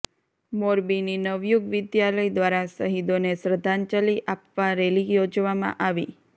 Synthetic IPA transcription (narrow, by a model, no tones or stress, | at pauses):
moɾbininəʋjuɡʋɪd̪jaləjd̪ʋaɾasəɦid̪onesɾəd̪ʱant͡ʃəliʔapʋaɾelijod͡ʒʋamã̰ʔaʋi